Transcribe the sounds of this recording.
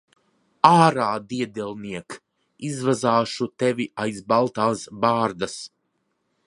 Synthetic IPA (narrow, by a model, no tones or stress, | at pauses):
aːɾaːd̪iɛd̪ɛlˠniɛk | izvazaːʃut̪ɛvʲiajzbalˠt̪aːsbaːɾd̪as